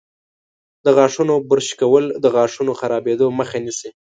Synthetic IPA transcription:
d̪əɣɑʂunobəɾʃkawəld̪əɣɑʂunoxaɾɑbed̪oməxanisi

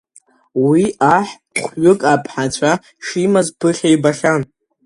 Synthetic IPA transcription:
wiaħ | χʷɥʊkʼapʼʰħat͡ɕʷʰa | ʂimazpʰɨχʲajbaχʲan

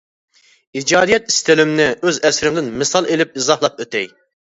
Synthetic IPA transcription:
id͡ʒɑːd̪ijɛt̪ist̪ʰɪlɪmnɪøzɛsɾɪmd̪ɪnmɨsɑlˠelɪp̚izɑhlˠɑp̚øt̪ɛj

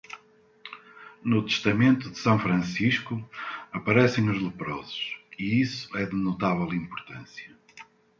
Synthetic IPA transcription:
nut̪ɨ̥ʃt̪ɐmẽnt̪uðɨsɐ̃w̃fɾɐ̃siʃkuɐpɐɾɛsẽj̃uʒlˠɨpɾɔzʊ̥ʃiisu̥ɛðɨnut̪avɛlˠĩmpuɾt̪ɐ̃sjɐ

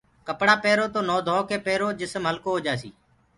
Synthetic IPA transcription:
kəpɽaːpeːɾoːt̪oːnoːd̪ʱoːkeːpeːɾoːd͡ʒɪsmɦəlkoːɦoːd͡ʒaːsḭː

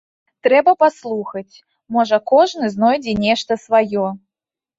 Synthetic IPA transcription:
t̪ɾɛbɐpaslˠuxɐt͡sʲ | mɔʐɐkɔʐnɨznɔjd͡zʲɛnʲɛʂt̪ɐsvajɔ

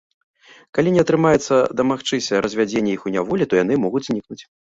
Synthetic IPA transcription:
kalʲinʲɛɐt̪ɾɨmajɛt̪sːɐd̪ɐmaxt͡ʂɨsʲɐɾɐzʲvʲad͡zʲenʲːɛixunʲavɔlʲit̪ɔjan̪ɨmɔɣudʲzʲnʲiknut͡sʲ

